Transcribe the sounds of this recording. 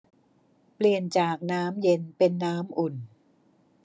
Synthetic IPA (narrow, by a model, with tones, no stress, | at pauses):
pli˨˩ənt͡ɕaː˨˩k̚naː˦˥mje˧npe˧nːaː˦˥mʔu˨˩n